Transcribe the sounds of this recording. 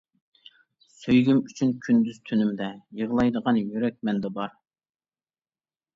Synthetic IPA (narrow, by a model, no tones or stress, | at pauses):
søjɡʲymyt͡ʃʰynkʲʰynd̪yz̥t̪ʰynymd̪ɛjəʁlˠɑjd̪əʁɑnjyɾɛk̚ʲmɛnd̪ɛbɑɾ